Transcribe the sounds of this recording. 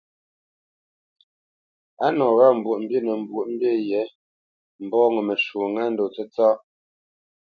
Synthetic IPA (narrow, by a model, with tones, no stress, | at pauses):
a˦nɔ˨ɣa˦˨m̩˨bwu˨ʔm̩˦bje˦˨nə˨m̩˨bwu˨ʔm̩˦bje˦˨jɛ˨˦ | m̩˨bɔː˦ŋə˨mə˨ʃu˨ŋa˦n̩˦do˨t͡sɛ˦t͡sa˦